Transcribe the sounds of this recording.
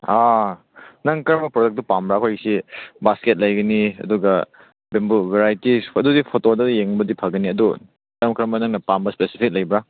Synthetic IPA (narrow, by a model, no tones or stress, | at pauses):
a | nɐŋkɾɐmbɐpɾodek̚tupambɾaːkʰojɡɐsibasket̚lɐjɡɐniɐ̰duɡɐ | bembubeɾajtiɐdudipʰotodɐjeŋbɐdipʰɐɡɐniɐdu | kɐmkɐɾɐmbɐnɐŋnɐpambɐspesi̥pʰik̚lɐjbɾa